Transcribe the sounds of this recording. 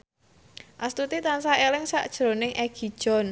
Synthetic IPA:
ʔast̪ut̪it̪ansaʔelɪŋsaʔd̥ʒ̥ɾo̤nɪŋʔɛɡ̥i̤d̥ʒ̥ɔ̤n

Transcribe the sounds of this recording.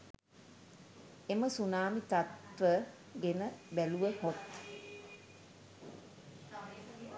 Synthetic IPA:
eməsunaːmit̪at̪ʋə | ɡenəbæluʋəhot̪

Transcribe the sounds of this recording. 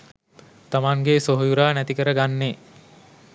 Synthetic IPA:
t̪amaŋɡesoɦojuɾaːnæt̪ikəɾəɡanːe

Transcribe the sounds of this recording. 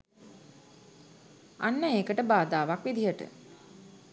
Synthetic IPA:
a̰nːəeːkəʈəbaːd̪aːʋakʋid̪ijəʈə̰

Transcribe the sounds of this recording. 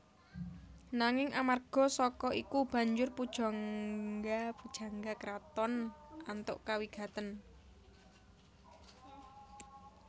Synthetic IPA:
naŋɪŋʔamarɡ̥ɔ̤sɔkɔʔikub̥a̤ɲd͡ʒʊrpud̥ʒ̥ɔ̤ŋɡapud̥ʒ̥a̤ŋɡakəɾat̪ɔnant̪ʊ̰ʔkawiɡ̥ä̤t̪ən

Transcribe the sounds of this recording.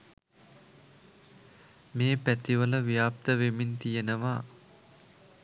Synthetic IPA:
meːpæt̪iʋələʋijaːp̚t̪əʋemint̪ijenəʋaː

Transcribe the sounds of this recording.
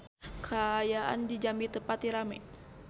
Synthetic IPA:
kʰaːjaʔa̰ndid͡ʒambit̪əpat̪iɾamɛ̰

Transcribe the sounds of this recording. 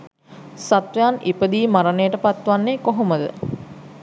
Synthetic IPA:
sat̪ʋejanipəd̪iːmaɾənejəʈəpat̪ʋanːekoɦoməd̪ə̰

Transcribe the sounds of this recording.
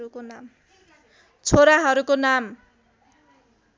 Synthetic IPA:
ɾukonam | t͡sʰoɾaɦʌɾukonam

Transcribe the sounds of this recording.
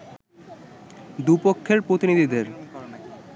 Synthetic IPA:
d̪upokʰːeɾpɾot̪inid̪ʱid̪eɾ

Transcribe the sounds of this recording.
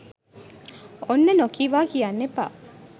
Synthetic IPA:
onːɐnokiːʋaːkijɐnːepa̰ː

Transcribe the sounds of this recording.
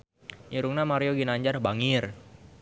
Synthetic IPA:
ʔiɾuŋnamaɾioɡinaɲd͡ʒarbaŋɪr

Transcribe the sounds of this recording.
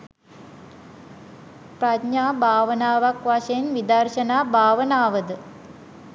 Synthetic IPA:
pɾadɲaːbʱaːʋənaːʋakʋaʃeenʋid̪ərʃənaːbʱaːʋənaːʋəd̪ə

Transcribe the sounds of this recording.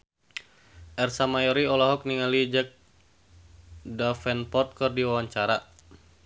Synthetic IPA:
ʔɛrsamajɔɾiɔlaɦɔk̚niŋalid͡ʒək̚ | dafɛnpɔt̪̚kɔrdiwawaɲt͡ʃaɾa

